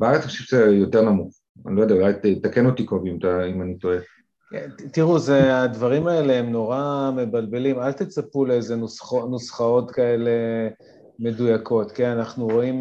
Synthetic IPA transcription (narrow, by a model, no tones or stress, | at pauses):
beaʁet͡saχʃefzejo̞teʁnamuχ | a̰nilojdeaulajtt̪akenot̪ikovimt̪aimanit̪oe | et̪iʁuzead̪vaʁimae̞le̞ɦemno̞ʁame̞balbe̞limalt̪et͡sapuleeze̞nusχonusχao̞t̪kaele̞ | me̞dujako̞t̪kenanaχnuʁo̞im